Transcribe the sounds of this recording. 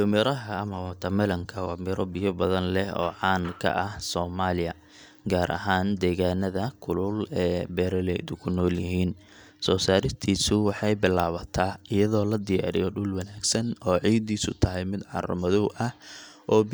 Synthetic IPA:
jʊmɪɾɐɦɐɐmɐwɐt̪ʰɐmɐlɐŋkʰɐwɑ̰mɪɾɔbɪjɔbɐðɐnlɛhɔ̰ːʕɑːnkʰɐ̰ʔɐhsɔːmaːlɪjɐ | ɡaːɾʔɐ̰ɦaːnd̪ɛːɣaːnɐðɐkʰʊlʊlɛːbɛːɾɐlɛd̪ʊkʰʊnɔːljɪɦiːn | sɔːsaːɾɪʃt̪ʰiːsʊwɑħɑjbɪlaːβɐt̪ʰaːɪjɐðɔːlɐd̪ɪja̰ːɾɪ̰jɔɖʊlwɐnaːɡsɐnɔːʕiːd̪iːsʊ̰t̪ʰɐɦɛjmɪd̪ʕɑ̰rʊ̰mɐðɔwʔɐhʔɔː

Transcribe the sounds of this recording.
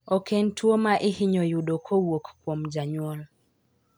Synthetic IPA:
ɔkɛntwomaʔɪhɪɲɔjudokʰowokkwomd͡ʒaɲwɔl

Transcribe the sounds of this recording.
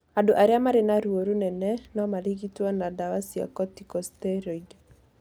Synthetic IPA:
adoʔaɾeamaɾenaɾuoɾunɛnɛnɔmaliɣitwɔnadawasia̰kɔtikɔstɛɾoɡ

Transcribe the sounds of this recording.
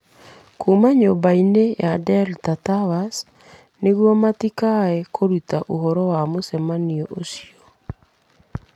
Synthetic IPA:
kʰumaɲobainejadɛltatawas | neɣwɔmatikaɛkʰoɾutaʔoɦɔɾɔwamosɛmaniɔʔosiɔ

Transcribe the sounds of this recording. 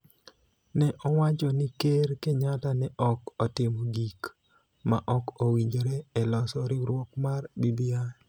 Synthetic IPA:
nɛʔɔwat͡ʃɔnikeɾkeɲatanɛʔɔkɔtɪmoɡik | maʔɔkowiɲd͡ʒoɾeɛlɔsɔɾɪɾwokmarbibia

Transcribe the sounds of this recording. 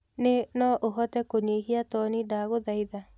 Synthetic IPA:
nenɔʔoɦɔtɛkoɲeɦiatɔnidaɣoðaiða

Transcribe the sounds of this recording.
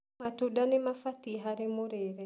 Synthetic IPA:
matudanɪmafatiɦaɾemoɾeɾɛ

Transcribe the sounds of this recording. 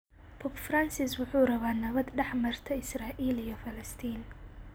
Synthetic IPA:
pʰɔːpfransɪswʊħuːrɐβaːnɐβɐd̪ɖɛħmɐrt̪ʰɐɪsraːʔiːlijɔfɐlɐst̪ʰiːn

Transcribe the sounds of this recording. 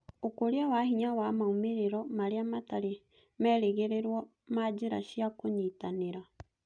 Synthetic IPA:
okoɾeawahiɲawamaomeɾeɾɔmaɾeamataɾe | mɛːɾeɣeɾeɾwɔ | mad͡ʒeɾa̰ʃiakoɲitaneɾa

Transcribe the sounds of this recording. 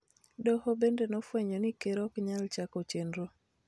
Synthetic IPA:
dɔhɔbendenɔfwɛɲɔnikeɾɔkɲalt͡ʃakɔt͡ʃendɾo

